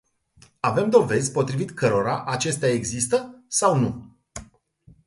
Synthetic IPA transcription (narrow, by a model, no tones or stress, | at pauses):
ave̞md̪o̞ve̞zʲpo̞t̪ɾivit̪kʰəɾo̞ɾaʔat͡ʃe̞st̪eae̞ɡzist̪əsawnu